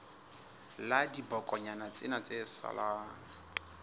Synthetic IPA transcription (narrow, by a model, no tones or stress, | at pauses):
ladibɔkʼɔɲanat͡sʼɪnat͡sʼesa̰laːŋa